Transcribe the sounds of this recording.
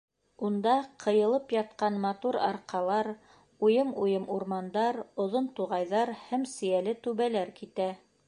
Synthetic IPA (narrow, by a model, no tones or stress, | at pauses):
und̪ɑqʰɤ̆jɤ̆lˠɤpjɑt̪̚qɑnmɑt̪uɾɑ̰ɾqɑlˠɑɾ | ujɤmujɤmuɾmɑnd̪ɑɾŏðont̪uʁɑjðɑɾhæmsɘ̆jælɘt̪ʉβælæɾkit̪æ